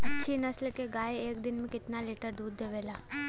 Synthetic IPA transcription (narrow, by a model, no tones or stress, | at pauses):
ɐtːʃʰinɐslkeɡaːeeːk̚d̪ɪnmẽkɪt̪naleːʈəɾd̪uːd̪ːeʋeːlaː